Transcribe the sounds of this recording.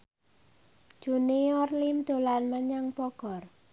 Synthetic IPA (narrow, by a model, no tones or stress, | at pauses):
ʒ̥uniɔrlimd̪̥o̤lanməɲaŋpɔɡ̥ɔ̤r